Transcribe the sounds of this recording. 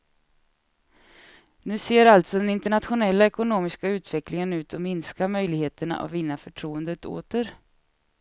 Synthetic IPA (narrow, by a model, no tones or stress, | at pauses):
nʉ̟ːseːɾalt̪sɔd̪ɛnɪnt̪əɳat̪ɧʊnɛlːaɛkʊnoːmɪskaʉ̟ːt̪vɛklɪŋənʉ̟ːt̪ʰɔmɪnskamœjlɪɡheːt̪əɳa̰ʔa̰vɪnːafœʈʰɾuːənd̪ət̪ʰo̰ːt̪əɾ